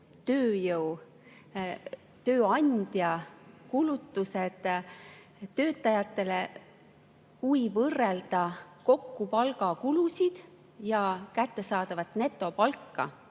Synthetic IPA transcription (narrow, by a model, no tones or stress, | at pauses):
t̪ø̞ːjɤw | t̪ø̞ːɑnd̪̥jɑkulut̪ːused̪̥ | ø̞ːt̪ːˑɑjɑt̪ːˑe̞le | kujvɤrːeld̪̥ɑko̞kːupɑlɡ̥ɑkulusʲid̪̥ | jɑkæt̪ːe̞sɑːd̪̥ɑvɑt̪ˑne̞t̪ːˑo̞pɑlkːɑ̰